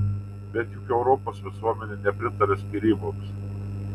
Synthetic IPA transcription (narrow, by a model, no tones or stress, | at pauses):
bʲɛt̪jʊkɛʊɾɔpoːsʋʲɪsuɔmʲɛnʲɛnʲɛpʲɾʲɪt̪ɐɾʲɛsʲkʲɪɾʲiːboms